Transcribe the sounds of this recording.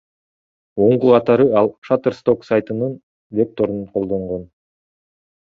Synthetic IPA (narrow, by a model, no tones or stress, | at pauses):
o̞ɴquqʰɑt̪ɑɾɯɑlˠʃat̪erst̪o̞ksajt̪ɯnɯn | vʲe̞k̚t̪o̞ɾunqʰo̞lˠd̪o̞ɴʁo̞n